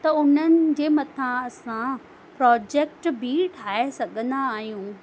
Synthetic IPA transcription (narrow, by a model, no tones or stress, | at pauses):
t̪ɐʊn̤ənɪ̆d͡ʑeːmɐt̪ʰãɐsã | pɾɔːd͡ʑeːk̚ʈbʱiʈʰaːesɐɠʱə̃nd̪aːɦijũː